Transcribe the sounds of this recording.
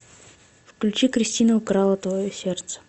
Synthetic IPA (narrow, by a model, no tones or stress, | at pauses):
fklʲʉt͡ɕikɾʲɪsʲtʲinəʊkɾalˠət̪vɐjosʲe̞rt̪sə̥